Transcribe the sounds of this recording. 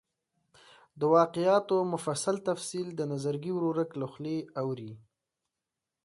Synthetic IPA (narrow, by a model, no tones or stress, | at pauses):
d̪əwɑqɪjɑt̪omʊfasalt̪afsild̪ənazaɾɡiwɾoɾəkləxleawɾi